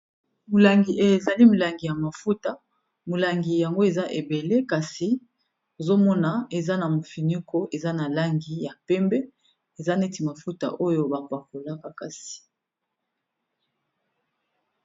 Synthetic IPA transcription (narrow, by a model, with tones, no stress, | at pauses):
mu˨la˨ŋɡi˨ʔe˦˨e˨za˨li˦mu˨la˨ŋɡi˨ja˨ma˨fu˦ta˨ | mu˨la˨ŋɡi˨ja˨ŋɡo˦e˨za˦ʔe˨be˨le˦ka˨si˨ | o˨zo˦mɔ˦na˨e˨za˦na˨mo˨fi˨nu˦ko˦ʔe˨za˦na˨la˦ŋɡi˨ja˨pɛ˦mbɛ˦ | e˨za˦ne˦ti˨ma˨fu˦ta̰˨ʔo˦jo˦ba˨pa˨ko˨la˦ka˨ka˨si̥˨